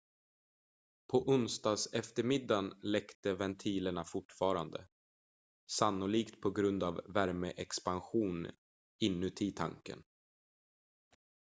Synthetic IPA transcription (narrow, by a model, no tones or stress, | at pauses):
pʰɔʔʊnst̪ɑːɡsɛft̪əɾmɪd̪ːanlɛkt̪əvɛnt̪ʰiːləɳafʊʈfɑːɾand̪ə̰ | sanːʊliːkt̪pʰɔɡɾɵnd̪avːæɾməʔɛkspanɧuːn | ɪnːʉt̪ʰiːt̪ʰa̰ŋkə̰n